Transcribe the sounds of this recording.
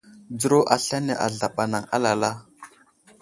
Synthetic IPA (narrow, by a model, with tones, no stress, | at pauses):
d͡zə˦ɾo˦ʔa˨ɬa˦ne˨ʔa̰˨ɮa˨ɓa˨na˨ŋa̰˦la˨la˦